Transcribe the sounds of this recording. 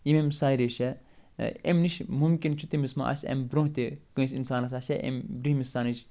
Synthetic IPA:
jimemsaːiɾeʃɛ | emniʃmumkint͡ʃʰut̪imisma̰ʔɐ̰sʲɐ̰mbɾõɦt̪ekũsinsaːnɐsɐsʲɛʔḛmbɾihmisaːnit͡ʃ

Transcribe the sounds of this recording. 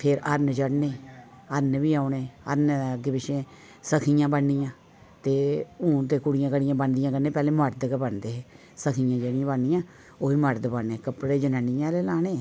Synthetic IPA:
pʰɪɾəɾnd͡ʒəɽneː | əɾnʋiːaːɳeːə̰ɾnɡɪbɪʃẽː | səkʰijãːbənːɪjãː | t̪eːũːt̪eːkʊɽɪjãːkəɽɪjãːbənd̪ɪjãːkəɾnẽːpɛːlẽːməɾd̪əkːbəɳd̪eːɦeː | səkʰijãːd͡ʒəɽijãːbəɳɪjãː | oːiːməɾd̪bənːeːkəpɽeːd͡ʒənãːnɪjãːleːlaːneː

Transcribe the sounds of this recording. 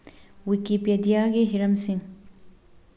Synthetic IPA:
wikipjɐd̪jaːɡeɦiɾɐmsiŋ

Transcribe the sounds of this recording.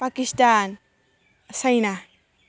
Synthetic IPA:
pakist̪an | sajna

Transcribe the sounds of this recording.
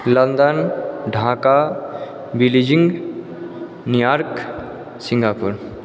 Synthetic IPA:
lənd̪ənɖʱãːka | bilid͡ʒiŋɡ | nijaɾk | sĩŋɡapuɾ

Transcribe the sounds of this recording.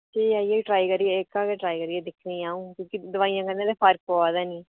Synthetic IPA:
t̪iːaːijeːiʈɾaːikəɾieekaːkeʈɾaːikəɾieːd̪ɪkʰniːaːũːkjõːkid̪ʊʋaːijãːkənːẽːd̪eːpʰəɾkɦoaːd̪ɛːniː

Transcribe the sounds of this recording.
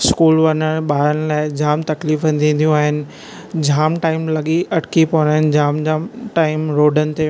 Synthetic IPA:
skuːlʋɐnəɽɓaːɾənɪ̆laːɪd͡ʑaːmt̪ɐkliːfə̃nd̪ʰĩːnd̪ijũaːɦɪnɪ̆ | d͡ʑʱaːmʈaːɪmlɐɠiʔɐʈkipoːnaɦɪnɪ̆d͡ʑaːmd͡ʑaːmʈaːɪmɾoːɖənɪ̆t̪e

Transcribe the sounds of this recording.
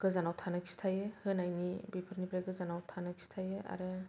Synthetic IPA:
ɡ̥ɯzanawtʰanaksi̥tʰajɯhɯnajnibipʰɯɾnipʰɾaɡɯzanawtʰanaksi̥tʰajɯʔa̰ɾɯ

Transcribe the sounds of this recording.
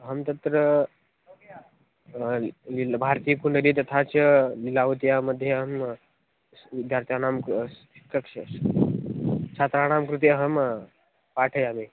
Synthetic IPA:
ɦəmt̪ɐt̪ɾə | libʱaɾt̪ijəkuɳɖəɾit̪ɐt̪ʰat͡ʃlilaʋut̪ijamɐd̪ʱːjeɦəm | ʋid̪ʱjaːɾt̪ʰjanam | ikːək | t͡ʃʰaːt̪ɾanaːmkɾut̪̬eɦəm | paːʈʰəjame

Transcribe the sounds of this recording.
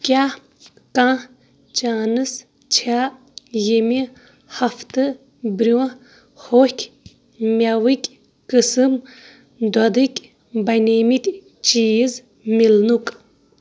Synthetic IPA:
kʲa | kãː | t͡ʃaːnɨs | t͡ʃʰa | jemi | hɐft̪ɨ | bɾʲu | hohkʰʲ | mʲawɨkʲ | kɨsɨm | d̪ɔd̪ɨkʲ | bɐjneːmit̪ʲ | t͡ʃiːz | milnukʼ

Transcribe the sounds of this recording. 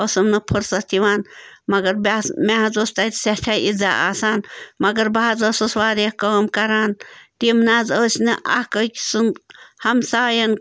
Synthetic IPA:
osɐmnɨpʰəɾsɐt̪iʋaːnmɐɡɐɾbasmaɦɐzost̪at̪sehʈʰaːizaa̰ːsaːnmɐɡɐɾbaːzoːsɐsʋaːɾijkəːmkɐɾaːnt̪imnaːzoːsʲnɨʔa̰hkəkʲsɨnhɐmsaːjɐn

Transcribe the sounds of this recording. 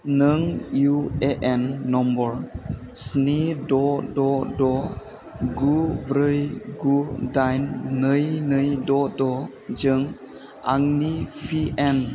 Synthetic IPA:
nəŋjueʔɛnːɔmbɔɾ | snidɔdɔdɔ | ɡubɾəjɡudajnːəjnəjdɔdɔ | d͡ʒəŋ | a̰ŋnipʰiʔɛn

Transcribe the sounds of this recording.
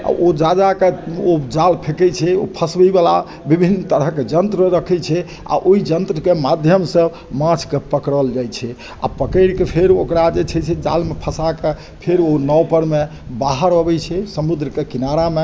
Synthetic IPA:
a̰od͡ʒad͡ʒakeod͡ʒalpʰekɛt͡ʃʰɛo̰pʰəsbibala̰ | bibʱinːt̪əɾəɦked͡ʒənt̪ɾəɾəkʰɛt͡ʃʰɛ | a̰ʔoid͡ʒənt̪ɾəkemad̪ʱjəmsə | mãt͡ʃʰkepəkɾəld͡ʒajt͡ʃʰɛ | a̰pəkəɪɾkepʰeɾokɾad͡ʒet͡ʃʰɛt͡ʃʰɛd͡ʒalmepʰəsake | pʰeɾonɔwpəɾme | baɦəɾobɛt͡ʃʰɛsəmud̪ɾəkekinaɾame

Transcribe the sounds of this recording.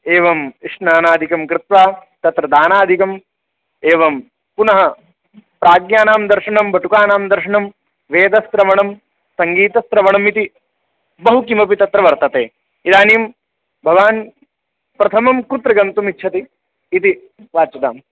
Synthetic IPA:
eːʋɐmiʂnaːnaːd̪ʱikɐmkɾɪt̪ʋaːt̪ɐt̪ɾɐd̪aːnaːd̪ʱikɐm | eːʋɐm | punɐɦɐ | pɾaːɡnjaːnaːmd̪ɐɾʂɐɳɐmbʱɐʈukaːnaːmd̪ɐɾʂɐɳɐm | ʋeːd̪ɐst̪ɾɐʋɐɳɐm | sɐŋɡiːt̪ɐst̪ɾɐʋɐɳɐmit̪i | bɐɦukimɐpit̪ɐt̪ɾɐʋɐɾt̪ɐt̪eː | id̪aːnim | bʱɐʋaːn | pɾɐt̪ʰɐmɐmkut̪ɾɐɡɐnt̪umitːt͡ʃʰʃʰɐt̪iː | t̪i | ʋaːt͡ʃɐd̪a̰ːm

